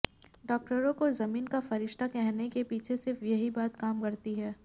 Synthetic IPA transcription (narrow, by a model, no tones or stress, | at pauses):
ɖɔːk̚ʈəɾõkozɐmiːnkafɐɾɪʃʈ̪ʰakɛɦnekepiːt͡ʃʰesɪɾfjɐɦibaːt̪kaːmkɐɾt̪iɦɛː